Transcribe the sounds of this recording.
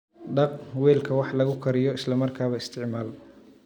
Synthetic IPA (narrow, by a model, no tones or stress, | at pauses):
ɖɑqwɛːlkʰɐwɑħlɐɣʊkʰɐɾɪjɔɪslɐmɐrkʰaːβɐɪst̪ʰɪʕmaːl